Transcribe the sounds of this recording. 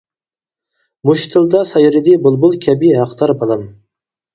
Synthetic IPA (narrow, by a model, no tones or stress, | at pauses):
muʃt̪ʰɨlˠd̪ɑsɑjɾɪd̪ibʊlˠbʊlˠkʲʰɛbiɦɑqt̪ɑɾbɑlˠɑm